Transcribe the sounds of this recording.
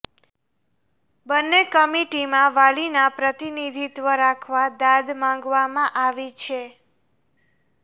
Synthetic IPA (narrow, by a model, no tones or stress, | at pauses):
bənːekəmiʈimãʋalinapɾət̪inid̪ʱit̪ʋəɾakʰʋad̪ad̪mãŋɡʋamãʔaʋit͡ʃʰe